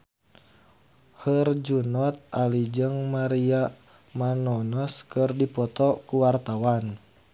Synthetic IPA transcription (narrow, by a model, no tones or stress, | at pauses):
hərd͡ʒunɔt̪̚alid͡ʒəŋmaɾia | manɔnɔskərdipɔt̪ɔkuwart̪awan